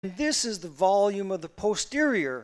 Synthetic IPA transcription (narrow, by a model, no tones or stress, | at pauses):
nðɪsɨzðəvɑlˠjʉ̃mʌvðəpʰoʊstɪɹiə˞